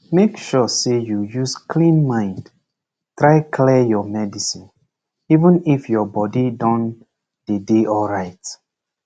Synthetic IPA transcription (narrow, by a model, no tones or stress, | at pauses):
mekʃɔsejujuskʰlĩnmãɪ̃nd | tɹaɪkʰlɛjɔmɛdisĩn | ivə̃nifjɔbɔdidɔ̃n | d̥edeʔɔlɹaɪt